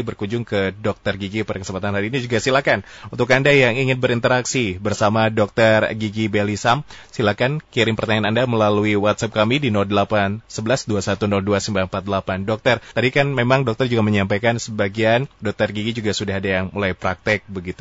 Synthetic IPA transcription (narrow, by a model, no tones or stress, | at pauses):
bərkuɲd͡ʒʊŋkədɔk̚t̪ərɡiɡipadakəsəmpat̪anɦaɾiːnid͡ʒuɡasilahkanunt̪ʊk̬andajaŋiŋɪn̚bəɾint̪əɾaksibərsamadɔk̚t̪ərɡiɡibelisam | silakankiɾɪŋpərt̪aɲanandaməlaluiwat̪sap̚kamidinɔldəlapansəbəlasduasat̪unɔlduasəmbampat̪̚dəlapandɔk̚t̪ərt̪adikanmemaŋdɔk̚t̪ərd͡ʒuɡaməɲampajkansəbaɡiandɔk̚t̪ərɡiɡid͡ʒuɡasudahadajaŋmulajpɾak̚t̪ɛk̚bəɡit̪u